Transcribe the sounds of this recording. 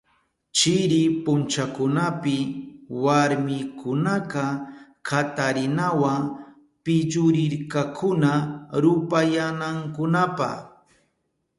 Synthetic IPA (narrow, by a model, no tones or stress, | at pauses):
t͡ʃɪɾɪpʊnt͡ʃakʊnapɪwaɾmɪkʰʊnaqa | kʰat̪aɾɪnawaŋ | pɪʎʊɾɪɾkakʰʊnaɾʊpajanaŋkʊnapa̰χ